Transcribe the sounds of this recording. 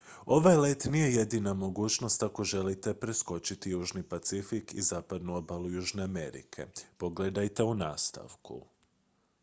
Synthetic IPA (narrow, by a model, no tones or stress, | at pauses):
o̞ʋajlet̪nije̞je̞d̪inamo̞ɡuːt͡ʃno̞st̪ako̞ʒe̞lit̪e̞pɾesko̞t͡ʃit̪ijuːʒnipat̪sifikḭzaːpad̪nuo̞balˠujuːʒne̞ame̞̰ɾḭkʰe̞̰po̞ɡled̪ajt̪e̞unaːst̪a̰ʋkṵ